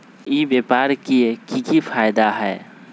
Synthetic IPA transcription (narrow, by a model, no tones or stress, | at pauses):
ibepaɾkiekikipʰajd̪aɦɛː